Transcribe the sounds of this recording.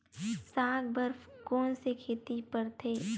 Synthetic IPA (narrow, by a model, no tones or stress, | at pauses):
saːɡbəɾfkoːnsekʰeːt̪ipəɾt̪ʰeː